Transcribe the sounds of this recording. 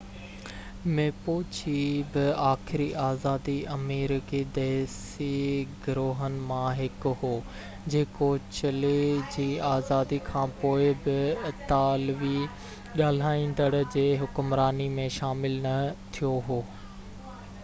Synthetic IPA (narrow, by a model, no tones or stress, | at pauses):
mẽpoːt͡ɕʰibɪaːxɪɾiʔaːzaːd̪iɐmiːɾkid̪ɛːs | iɡʊɾoːɦənɪ̆mãɦɪkʊɦoː | d͡ʑeːkot͡ɕɐled͡ʑiːaːzaːd̪ikʰãːpoːɪbɪt̪aːlʋi | ɠaːl̤aːĩːn̆d̪əɽd͡ʑeːɦʊkʊmɾaːnimẽʃaːmɪlnɐt̪ʰijoɦoː